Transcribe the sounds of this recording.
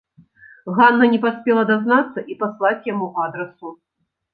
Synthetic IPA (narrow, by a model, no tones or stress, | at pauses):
ɣanːɐnʲɛpasʲpʲɛlˠɐd̪aznat̪sːɐʔipaslˠat͡sʲjamuad̪ɾɐsu